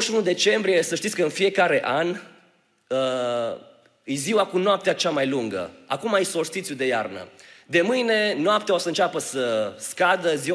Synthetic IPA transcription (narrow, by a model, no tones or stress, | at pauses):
ʃunud̪e̞t͡ʃe̞mbɾije̞səʃt̪it̪ʲkəɨnfije̞kaɾe̞ʔan | ə | ɨjziwakunoap̚t̪eat͡ʃamajluŋɡə̰a̰kumajsost̪it̪sʲud̪e̞jarnə̰d̪e̞mɨjne̞noapt̪eaosəɨnt͡ʃapəsəskad̪əzi